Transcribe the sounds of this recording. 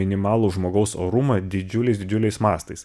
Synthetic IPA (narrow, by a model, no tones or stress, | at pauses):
ɪnʲɪmɑːlˠuːʒmoːɡɒʊso̰ːɾumɐd̪ʲɪd͡ʒʲʊlʲɛɪsd̪ʲɪd͡ʒʲʊlʲɛɪsmɑːst̪ɐɪs